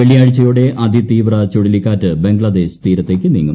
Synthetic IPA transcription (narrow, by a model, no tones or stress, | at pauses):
eɭijaːɻit͡ɕːɐjuɽe̞ʔɐd̪it̪iːʋrɐt͡ɕoɻilikːaːtːɨbe̞ŋɡɭɐd̪e̞ːɕt̪iːɾɐt̪ːe̞ːkʲːɨniːŋːṵ